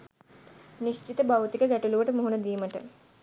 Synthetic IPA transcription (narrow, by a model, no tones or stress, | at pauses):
niʃt͡ʃit̪əbɐwt̪ikəɡɛʈuluʋəʈəmoɦunɐd̪iːməʈə̰